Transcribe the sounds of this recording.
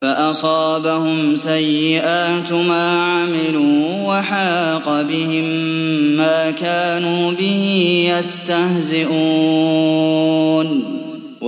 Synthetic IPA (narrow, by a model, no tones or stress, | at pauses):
faʔɑsˤɑːbahʊmsajːɪʔaːt̪maːʕamɪluː | waħɑːqɑbɪhɪmː | aːkaːnuːbɪhijast̪ahzɪʔuː | n